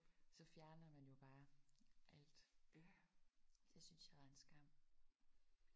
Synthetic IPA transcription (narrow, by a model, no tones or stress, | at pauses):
sɒ̽fjæɐnɐmænjo̝b̥ɑ̈ːʔæl̰d̥ | desynsjɑ̈æensɡ̥ɑm̰